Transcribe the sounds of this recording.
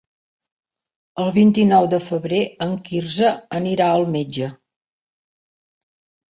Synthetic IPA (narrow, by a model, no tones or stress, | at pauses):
əlˠβint̪inɔwd̪əfəβɾeəŋkirzəəniɾaəlˠmed͡ʒə